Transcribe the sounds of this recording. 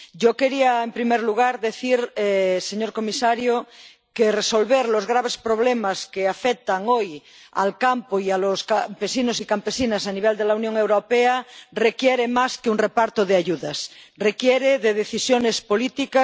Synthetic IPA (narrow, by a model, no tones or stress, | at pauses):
ɟ͡ʝokeɾiaempɾimeɾluɣ̞aɾðeθiɾɛseɲoɾkomisaɾjo | kereso̞lβeɾlozɣɾaβ̞espɾoβlemaskeafek̚t̪aŋoj | a̰lkampoialoskampesinosikampesinasaniβ̞eld̪elaunjoŋewɾopearekjeɾemaskeuŋrepaɾt̪oðeaʝuðasrekjeɾeðeðeθisjonespolit̪ikas